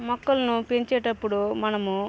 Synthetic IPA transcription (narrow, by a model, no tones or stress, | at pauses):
mɔkːɐlɐnupeɲt͡ʃɛːʈɐpːuɽumɐnɐmu